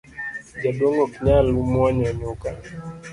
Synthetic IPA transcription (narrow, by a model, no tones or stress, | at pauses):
d͡ʒaɗɔŋɡɔkɲalumwaɲaɲoka